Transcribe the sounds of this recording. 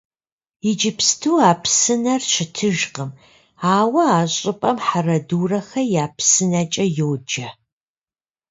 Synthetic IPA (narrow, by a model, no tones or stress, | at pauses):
jɪd͡ʒɪpstʰuːaːpʰsɨnɐrɕɪtʰɨʒqəm | aːwɐaːɕʼɪpʼɐmħarɐduːrɐxɐjaːpʰsɨnɐt͡ʃʼɐjoːd͡ʒɐ